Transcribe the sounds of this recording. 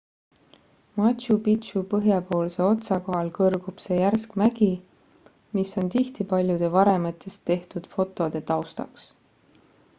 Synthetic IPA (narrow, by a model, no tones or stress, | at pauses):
mɑt̪ɕupit̪upɤɦjɑpo̞ːlse̞o̞t̪sɑko̞ɦɑlkɤrɡ̥ub̥se̞ːjærskmæɡ̥i | misːo̞nt̪iht̪ipɑlʲjud̪̥e̞vɑɾe̞mɑt̪ːˑe̞st̪ːe̞ht̪ud̪̥fo̞t̪ːˑo̞d̪̥e̞t̪ɑwst̪ɑ̰ks